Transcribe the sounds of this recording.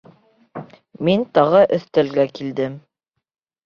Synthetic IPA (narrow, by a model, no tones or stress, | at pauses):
mint̪ɑʁɤʔɵ̆θt̪ælɡækild̪ɘm